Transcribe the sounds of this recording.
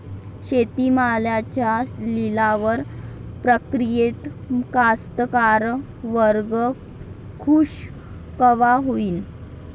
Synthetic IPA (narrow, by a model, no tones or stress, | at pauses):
ɕet̪imaljat͡ɕjalilaʋəɾpɾəkɾijet̪kast̪əkaɾ | ʋəɾɡə | kʰuːɕ | kəʋaɦoiːn